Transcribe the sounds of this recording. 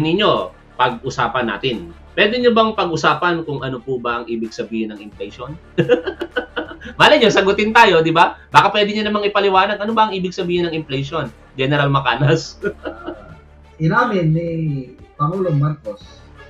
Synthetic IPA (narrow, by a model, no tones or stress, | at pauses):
nɪɲo̞ | pɐɡ̚ʔʊsaːpɐnːa̰ːt̪ɪnpwɛd̪ɛɲobɐŋpɐɡʊsaːpɐnkʊŋʔɐnopʊbɐʔɐŋʔiːbɪɡ̚sɐbiːhɪnɐŋɪmplɛjʃo̞n | mɐalɐɲosɐɡʊt̪ɪnt̪aːjo̞d̪ɪbabaːkɐpwɛːd̪ɪɲɐnɐmaŋɪpɐlɪwaːnɐɡʔɐno̞bɐɐŋʔiːbɪɡ̚sɐbiːhɪnɐŋɪmflɛjʃo̞n | d͡ʒɛnɛɾalmɐkaːnɐs | ʔɪnaːmɪnːipɐŋuːloŋmaɾkos